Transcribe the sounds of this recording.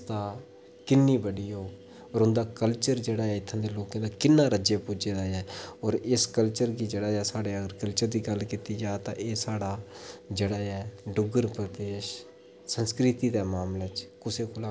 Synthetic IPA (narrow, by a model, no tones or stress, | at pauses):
t̪aː | kɪnːiːbəɽiːɦoː | ɔːɾʊnd̪aːkəlt͡ʃəɾd͡ʒeːɽaːɛːɪt̪ʰːãːd̪eːloːkãːd̪aːkɪnːãːɾəd͡ʒeːpʊd͡ʒeːd̪aːɛːɔːɾɪskəlt͡ʃəɾɡiːd͡ʒeːɽaːɛːsaːɽeːəɡəɾkəlt͡ʃəɾd̪iːɡəlkiːt̪iːd͡ʒaːt̪ã̰ːʔeːsaːɽaːd͡ʒeːɽaːɛːɖʊɡəɾpɾəd̪eːʃ | sənskɾɪt̪iːd̪ɛːmaːmlət͡ʃkʊseːkʰʊlaː